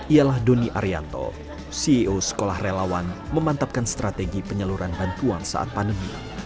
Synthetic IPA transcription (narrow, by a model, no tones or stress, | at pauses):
ʔialahdoniʔa̰ɾia̰nt̪ɔ̰ | siiʔosə̥kolahrelawanməmant̪ap̚kanst̪ɾat̪eɡipəɲəluɾanbant̪uansa̰ʔa̰t̪̚pandəmḭ